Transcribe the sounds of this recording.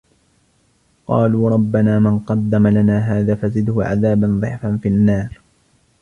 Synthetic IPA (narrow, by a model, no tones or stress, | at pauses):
qɑ̰ːluːɾˤɑbːanaːmɪnqɑd̪ːamalanaːɦaːðaːfazɪd̪hʊʕa̰ðaːbanðˤɨʕfanfinːɑːɾ